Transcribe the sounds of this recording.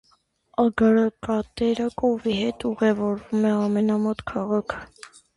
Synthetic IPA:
ɑɡɑɾɑkɑt̪ɛɾəkʼɔviɦɛt̪ʰuʁɛvɔɾvumɛɑmɛnɑmɔt̪kʰɑʁɑkʰ

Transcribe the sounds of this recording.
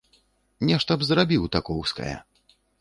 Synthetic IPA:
nʲɛʂt̪ɐbzɾabʲiwt̪akɔwskɐ̰jɛ̰

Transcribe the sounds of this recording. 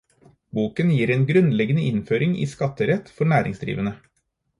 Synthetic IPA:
buːkənjiːɾeːnɡɾʉnlɛɡənəʔɪnføːɾɪŋḭːskɑt̪ːəɾɛt̪ːfɔɳæːɾɪ̰ŋsd̪ɾḭːʋənə

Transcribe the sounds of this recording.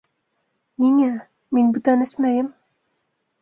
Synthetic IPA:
niŋæ | minbut̪ænɘsmæjɘm

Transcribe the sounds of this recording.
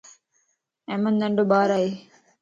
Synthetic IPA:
ɛ̃ːmənd̪əɳɖoːɓaːɾaːɦeː

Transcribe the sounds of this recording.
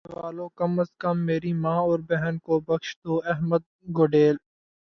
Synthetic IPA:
ʋaːlõːkɐməskəmːeːɾimãːɔːɾbɛɦɛnkobɐkʃt̪oːɛɦməd̪̚ɡoːɖeːl

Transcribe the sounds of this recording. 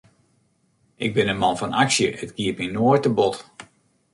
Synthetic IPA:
ʔɪɡ̚bɪnənmɑnfɔnʔaksjəətɡ̥iəpminoətəbɔt

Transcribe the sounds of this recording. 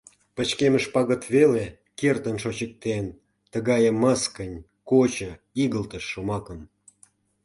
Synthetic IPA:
pət͡ɕkeməʃpɑɣət̪βele | kert̪ənʃot͡ɕək̚t̪en | t̪əɣɑjəməskənʲ | kot͡ɕə̆ | iɣəlt̪əʃːomɑkəm

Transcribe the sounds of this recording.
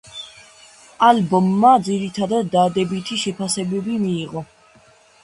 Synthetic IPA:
albɔmːad̪ziɾit̪ʰad̪ad̪ːad̪ɛbit̪ʰiʃɛpʰasɛbɛbimiːʁɔ

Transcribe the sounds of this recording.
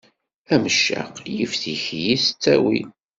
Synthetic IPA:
æməʃːa̰qljəfθiçjisə̥t͡sːæwḭ

